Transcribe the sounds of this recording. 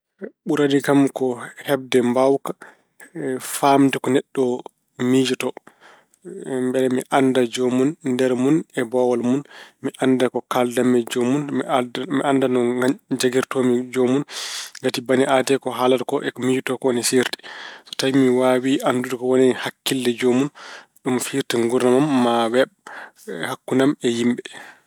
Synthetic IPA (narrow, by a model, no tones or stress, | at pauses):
ɓuɾadikamkɔhɛb̚dɛmbawkḁ | famtɛkɔnɛɗːɔ | mid͡ʒutɔ | mbɛlɛmiʔandad͡ʒomunndɛɾmunɛbɔwalmunmiʔandakɔkaldamɛd͡ʒomunmiʔandanɔɡad͡ʒaɡiɾtɔmid͡ʒomunɡatibaniʔatɛkɔɦaladkɔʔɛkɔmid͡ʒutɔkɔwɔnisiɾti̥sɔ̥tajmiwawiʔandudkɔwɔnɛhakːilːɛd͡ʒomunɗumfiɾtiŋɡuɾnamamːawɛɓ | hakːunamɛjimbɛ